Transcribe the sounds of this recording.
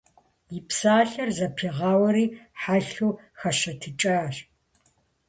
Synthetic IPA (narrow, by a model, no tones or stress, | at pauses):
ipsaːɬɐrzɐpʰiʁɑːwɐɾiːħaːɬuː | xɐʃɐtʰɨt͡ʃʼɐɕ